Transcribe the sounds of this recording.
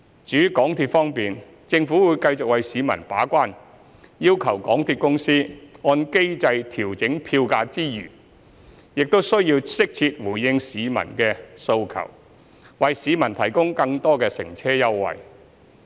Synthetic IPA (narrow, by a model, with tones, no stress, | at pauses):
t͡ʃyː˨˥kɔː˨˥ŋt̪ʰiː˧t̚fɔː˥ŋpiː˨n | t͡sɪ˧ŋfuː˨˥wuː˨˧˥jkɐ˧jt͡sʊ˨k̚wɐ˨jsiː˨˧˥mɐ̰˨˩npaː˨˥kʷaː˥n | jiː˥wkʰɐ˨˩wkɔː˨˥ŋt̪ʰiː˧t̚kʊ˥ŋsiː˥ŋɔː˧nke˥jt͡sɐ˧jt̪ʰiː˨˩wt͡sɪ˨˥ŋpʰiː˧wkaː˧t͡siː˥jy̰ː˨˩ | jɪ˨k̚t̪o˥wsɵ˥ɥjiː˧wsɪ˥k̚t͡sʰiː˧t̚wuː˨˩jjɪ˧ŋsiː˨˧mɐ̰˨˩nkɛː˧so˧wkʰɐ̰˨˩w | wɐ˨jsiː˨˥mɐ˨˩nt̪ʰɐ˨˩jkʊ˥ŋkɐ˧ŋt̪ɔː˥kɛː˧sɪ̰˨˩ŋt͡sʰɛː˥jɐ˥wːɐ̰˨j